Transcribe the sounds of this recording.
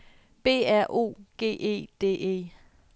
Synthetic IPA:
b̥e̝̰ːæɐ̰ʔo̝̰ːɡ̥e̝̰ːʔe̝̰ːd̥e̝̰ːe̝̰ː

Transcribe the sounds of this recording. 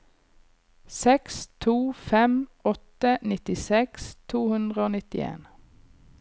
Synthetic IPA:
sɛkst̪ʰuːfɛmɔt̪ənɪt̪ɪsɛkst̪ʰuːhʉnd̪ʁəoːnɪt̪ɪḛːn

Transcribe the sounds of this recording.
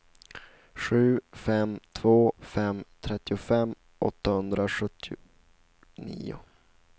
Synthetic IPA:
ɧʉ̟ːfɛmt̪ʰvoːfɛmt̪ʰɾɛt̪ːɪʊfɛmː | ʔɔ̰t̪ːahɵnd̪ɾaɧɵt̪ʰːɪ | nḭːʊ̰

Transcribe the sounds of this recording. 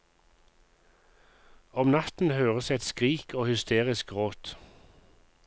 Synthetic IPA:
ɔmnɑt̪n̩høːʁəsɛt̪skʁiːkʰoːhʏst̪ʰeːʁɪskʁoːt̪

